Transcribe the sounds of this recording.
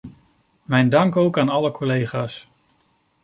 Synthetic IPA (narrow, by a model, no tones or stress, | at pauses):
mɛjndɑŋkowkaːnɑləkʰɔlejχaːs